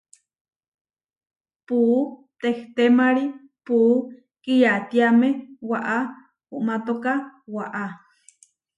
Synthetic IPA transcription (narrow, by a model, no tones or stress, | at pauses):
puʔt̪eht̪emaɾi | puʔ | kijat̪jamewaʔa | uʔmat̪okawaʔa